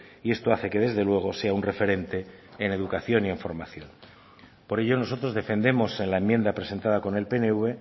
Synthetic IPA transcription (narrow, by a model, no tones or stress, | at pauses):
ie̞st̪o̞aθe̞ke̞ð̞e̞zðe̞lwe̞ɣ̞o̞se̞aunre̞fe̞ɾe̞nt̪e̞ːne̞ðukaθjo̞nie̞ɱfo̞ɾmaθjo̞n | po̞ɾe̞ʎo̞no̞so̞t̪ɾo̞zðe̞fe̞nd̪e̞mo̞se̞nlaemːjend̪apɾese̞nt̪að̞ako̞ne̞lpe̞neuβe̞